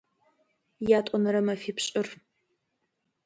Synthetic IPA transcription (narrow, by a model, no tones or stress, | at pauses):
jaːtʷʼɔnɐɾɐmɐfiːpʰɕʼɪr